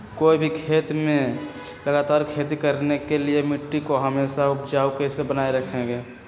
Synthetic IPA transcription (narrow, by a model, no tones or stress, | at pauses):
koːibʱikʰeːt̪mẽ | ləɡaːt̪aːɾkʰeːt̪ikəɾnekeliemɪʈːikoɦəmeːsaʊpd͡ʒaːukesebənaːeɾəkʰẽɡeː